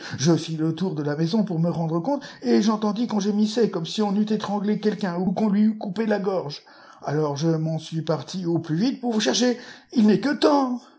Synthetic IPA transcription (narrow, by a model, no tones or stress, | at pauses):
ʒəfilət̪uʁd̪əlamɛzɔ̃puʁməʁɑ̃d̪ʁəkɔ̃t̪eʒɑ̃t̪ɑ̃d̪ikɑ̃ʒəmisɛkɔmsiɔ̃nyt̪ɛt̪χɑ̃ɡlekʲɛlkʲɛ̃ukɔ̃lɥiykupelaɡɔʁʒ | alɔʁʒəmɑ̃sɥipaʁt̪ʰioplyvit̪̚puʁvuʃɛʁʃeilnɛkət̪ɑ̃